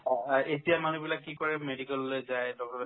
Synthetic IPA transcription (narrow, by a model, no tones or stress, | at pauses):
etijamanubilakːikɔɹɛmedikɛlːojzajdɔk̚tɔb